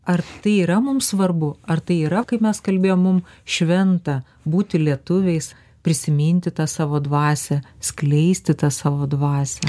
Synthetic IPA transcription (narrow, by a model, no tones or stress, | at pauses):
ɐrt̪ɐɪiːɾɐmʊmsʋɐrbʊɐrt̪ɐɪiːɾɐkɐɪmʲɛskɐlʲbʲeːjoːmmʊmʃʲʋʲɛnt̪ɐ | buːt̪ʲɪlʲiɛt̪ʊʋʲɛɪs | pʲɾʲɪsʲɪmʲɪnʲt̪ʲɪt̪ɑːsɑːʋoːd̪ʋɑːsʲɛsʲklʲɛɪsʲt̪ʲɪt̪ɑsɑːʋoːd̪ʋɑːsʲɛ